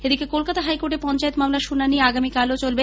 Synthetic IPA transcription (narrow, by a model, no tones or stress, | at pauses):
ed̪ikekolkat̪aɦajkoɾʈeɾpɔnt͡ɕaet̪mamlaɾʃunanːieaɡamikalot͡ɕolbe